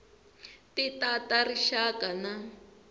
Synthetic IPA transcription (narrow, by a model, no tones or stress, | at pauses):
titatariʃakana